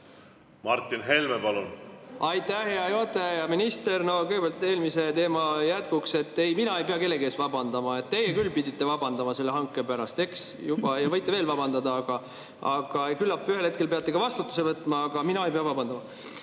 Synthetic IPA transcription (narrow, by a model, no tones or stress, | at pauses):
mɑrt̪ːinɦe̞lmepɑlunɑjt̪æheɑjot̪ˑejɑminist̪e̞rno̞kɤjɡ̥ebelt̪ːˑe̞ːlmise̞t̪e̞ːmɑjæt̪̚kukse̞t̪ːe̞jminɑejpe̞ɑke̞lːe̞ɡieːsvɑbɑnd̪̥ɑmɑe̞t̪t̪ːe̞jekylːpid̪ʲit̪ːe̞vɑb̥ɑnd̪ɑmɑse̞lːe̞ɦɑŋkːˑe̞pæɾɑst̪e̞ks | jub̥ɑjɑvɤjt̪ːˑeveːlvɑb̥ɑnd̪̥ɑd̪ɑɑɡ̥ɑ | ʔɑ̰ɡ̥ɑekylːɑpːyɦhelhe̞t̪̚ke̞lpe̞ɑt̪ːˑe̞kɑvɑst̪ut̪ːˑuse̞vɤt̪ːˑmɑɑɡ̥ɑminɑejpe̞ɑvɑbɑnd̪ɑmɑ